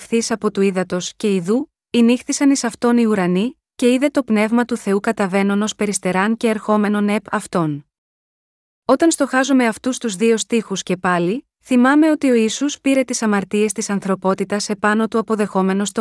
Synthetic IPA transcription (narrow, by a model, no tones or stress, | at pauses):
fθisɐpo̞t̪uiðɐt̪o̞sce̞iðu | inixθisɐnisɐft̪o̞niuɾɐni | ce̞iðe̞t̪o̞pne̞vmɐt̪uθe̞ukɐt̪ɐve̞no̞no̞spe̞ɾist̪e̞ɾɐnce̞ːɾxo̞me̞no̞ne̞pɐft̪o̞n | o̞t̪ɐnst̪o̞xɐzome̞ɐft̪ust̪uzðio̞st̪ixusce̞pɐli | θimɐme̞o̞t̪io̞isuspiɾe̞t̪isɐmɐɾt̪ie̞st̪isɐnθɾo̞po̞t̪it̪ɐse̞pɐno̞t̪uɐpo̞ðe̞xo̞me̞no̞st̪o